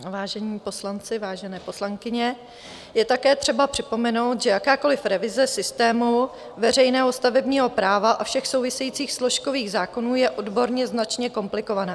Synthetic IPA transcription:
vaːʒɛɲiːpo̞slant͡sɪvaːʒɛnɛːpo̞slaŋkɪɲɛ | jɛt̪akɛːt̪r̝̥ɛbapr̝̥ɪpo̞mɛno̞wt̪ʒɛjakaːko̞lɪfɾɛvɪzɛsɪst̪ɛːmu | vɛr̝ɛjnɛːɦo̞st̪avɛbɲiːɦo̞pɾaːvaʔafʃɛxso̞wvɪsɛjiːt͡siːxslo̞ʃko̞viːɣzaːko̞nuːjɛʔo̞dbo̞ɾɲɛznat͡ʃɲɛko̞mplɪko̞vanaː

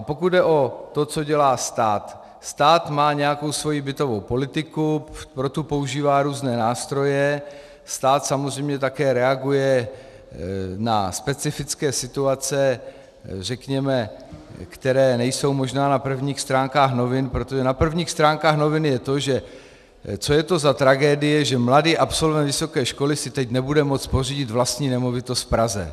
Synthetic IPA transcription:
ʔapokud̪̚dɛʔo̞t̪o̞t͡so̞ɟɛlaːst̪aːt̪ | st̪aːt̪maːɲɛjako̞wsvo̞jibɪt̪o̞vo̞wpo̞lɪt̪ɪkupɾo̞t̪upo̞uʒiːvaːɾuːznɛːnaːst̪ɾo̞jɛ | st̪aːt̪samozr̝ɛjmɲɛt̪̬akɛːɾɛaɡujɛ | na̰spɛt͡sɪfɪt͡skɛːsɪt̪uat͡sɛ | r̝ɛkɲɛmɛ | kt̪ɛɾɛːnɛjso̞wmo̞ʒnaːnapr̩vɲiːxst̪ɾaːŋkaːxno̞vɪnpɾot̪oʒɛnapr̩vɲiːxst̪ɾaːŋkaːxno̞vɪnjɛt̪o̞ʒɛ | t͡so̞jɛt̪o̞zat̪ɾaɡɛːdɪjɛʒɛmladiːʔapso̞lvɛnt̪vɪsokɛːʃko̞lɪsɪt̪ɛcnɛbudɛmo̞t͡sporiɟɪt̪vlast̪ɲiːnɛmo̞vɪt̪o̞st̪fpɾazɛ̰

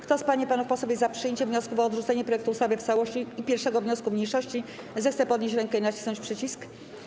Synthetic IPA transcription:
kt̪ɔspaɲipanuxpɔsɔvʲjezapʂɨjeɲt͡ɕɛvɲɔskuvɔːd̪ʐut̪sɛɲɛpɾɔjɛkt̪uːst̪avɘft̪sawɔɕt͡ɕiːpʲjɛɾfʂɛɡɔvɲɔskumɲejʂɔɕt͡ɕi | zɛxt̪sɛpɔd̪ɲeɕt͡ɕɾɛŋkɛinat͡ɕi̥snɔ̃ɲt͡ɕpʂɘt͡ɕisk

